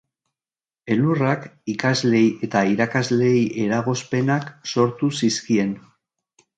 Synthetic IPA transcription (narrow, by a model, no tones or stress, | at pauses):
e̞lurakikazle̞je̞t̪aiɾakazle̞jʔe̞ɾaɣo̞spe̞nakso̞ɾt̪usiskie̞n